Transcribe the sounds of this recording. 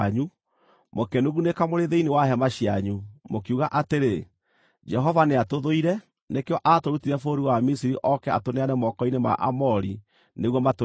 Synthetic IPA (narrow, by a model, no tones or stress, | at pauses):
ɲu | mokɛnoɣunekamoɾeðeinewaɦɛmaʃiaɲumokiuɣaʔateɾe | d͡ʒɛɦɔvaneatoðoiɾɛ | nekeɔʔatoɾutiɾɛfoɾiwamisiɾiʔɔkɛa̰toneanɛmɔkɔinema̰ʔa̰mɔɾi | neɣwɔmato